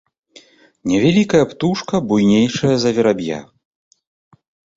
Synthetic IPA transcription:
nʲɛvʲalʲikɐjɐpt̪uʂkɐbujnʲejʂɐjɐzɐvʲɛɾabʲja̰

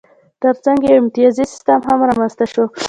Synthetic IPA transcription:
t̪əɾt͡saŋɡjawɪmt̪ɪjɑzisɪ̥st̪əmɦamɾamanzt̪aʃo

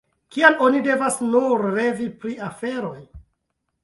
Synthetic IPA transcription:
kialo̞nide̞vasnuɾle̞vipɾiafe̞ɾo̞j

